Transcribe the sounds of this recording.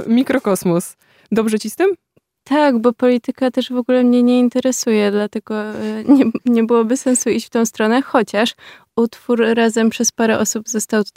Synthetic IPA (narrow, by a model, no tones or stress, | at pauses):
mʲikɾɔkɔsmus | d̪ɔbʐɛt͡ɕist̪ɘm | t̪ʰaɡbɔpɔlʲit̪ɘkat̪ɛʐvɔɡulɛmɲɛɲɛint̪ɛɾɛsujɛd̪lat̪ɛɡɔɲɛɲɛbɨwɔbɘsɛnsuit͡ɕft̪ɔ̃w̃st̪ɾɔnɛxɔt͡ɕaʂʔut̪fuɾːazɛmpʂɛspaɾɛʔɔsubzɔst̪awt̪ua